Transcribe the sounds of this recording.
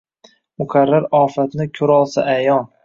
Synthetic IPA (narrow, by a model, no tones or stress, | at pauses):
mʊkʰaɾːaɾɒːfat̪nɪkʲʰɵɾɒlˠsaʔajɒn